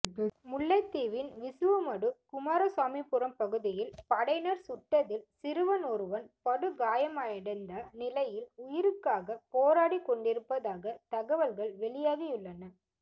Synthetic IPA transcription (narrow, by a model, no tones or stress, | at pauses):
mʊɭːɐɪt̪ːiːʋɪnʋɪsɯʋɐmɐɽɯkʊmaːɾɐswaːmipːɯɾɐmpɐɣɯðɪjɪlpɐɽɐɪnɐɾsʊʈːɐðɪlsɪɾɯʋɐnɔɾɯʋɐnpɐɽɯɡaːjɐmaːjɪɽɐɪnd̪ɐnɪlɐjɪlʊjɪɾɯkːaːɣɐpoːɾaːɽikːɔɳɖɪɾɯpːɐðaːɣɐt̪ɐɣɐʋɐlɣɐɭʋɛɭɪjaːɣɐjʊɭːɐnɐ